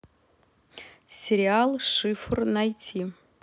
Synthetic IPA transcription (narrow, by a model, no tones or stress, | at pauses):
sʲeɾʲɪalˠʂɨfrnɑjtʲʰi